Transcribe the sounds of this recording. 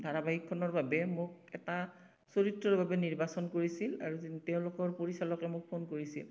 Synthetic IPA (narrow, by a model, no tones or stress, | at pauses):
dʱaɹabaɦikʰːɔnɔɹbabɛmʊk̚ɛta | soɹitɹɔɹbʱabɛniɹbasɔnkoɹisila̰ɹutɛʊ̃lʊkɔɹpoɹisalɔkɛmʊk̚pʰonkoɹisil